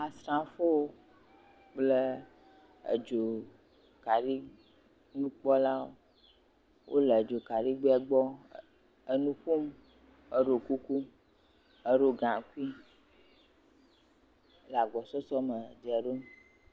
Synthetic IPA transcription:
a˨sɾã˦fo˦wo˦ | k͡ple˦ | ḛ˨d͡ʒo˨ | ka˨ɖi˦ | nũ˦k͡pɔ˦la˦wo˦ | wʔo̰˦le˨d͡ʒo˨ka˨ɖi˦ɡ͡bɛ˦ɡ͡bɔ˦ | ə˨nũ˦ɸo˦m | ə˨ɖo˨ku˦ku˦m | ə˦ɖo˦ɡã˨ku˦i˦ | la˨ɡ͡bɔ˨sɔ˦sɔ˦mə˨de˨ɛ˨ɖo˦m

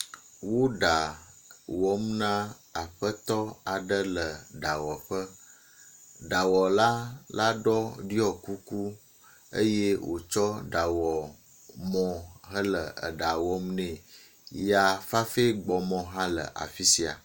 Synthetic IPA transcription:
wo˦ɖa˨ | wɔ˦mnã˦ | a˨ɸə˦t̪ɔ˦a˨ɖə˦lə˨ɖa˨wɔ˨ɸə˦ | ɖa˨wɔ˨la˦la˦ɖɔ˦ɖi˦ɔ˨ku˦ku˦ | ə̰˦je˦wʔo̰˨t͡ʃɔ˦ɖa˨wɔ˨ | mɔ̃˨ɦə˦lə˨ə̰˨ɖa˨wɔ˦mnẽ˨ | ja˨fa˦fe˦ɡ͡bɔ˨mɔ̃˨ɦã˦lə̰˨ʔa̰˨fi˦si˨a̰˨

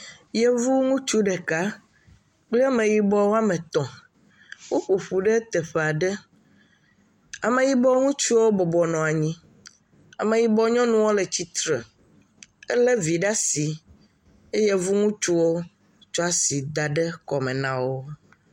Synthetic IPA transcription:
jɛ˦vu˦ŋũ˦t͡ʃu˦ɖɛ˨ka˦ | k͡plɛ˦a˦mẽ˨ji˨bɔ˦wo˦a˦mẽ˨t̪ɔ̃˨ | wo˦ɸu˨ɸu˨ɖɛ˦t̪ɛ˨ɸe˨a˨ɖɛ˦ | a˨mẽ˨ji˦bɔ˦ŋũ˦t͡ʃu˦wo˦bɔ˨bɔ˨nɔ̃˨a˨ɲĩ˦ | a˨mẽ˨ji˨bɔ˦ɲɔ̃˦nũ˦wo˦le˨t͡ɕi˦t̪ɾe˨ | ɛ˦lɛ˦vi˨ɖa˦si˨ | e˦jɛ˦vu˦ŋũ˦t͡ʃu˦wo˦ | t͡ʃɔ˦a˦si˨d̪a˨ɖɛ˦kɔ˨mɛ̃˨nã˦wo˦

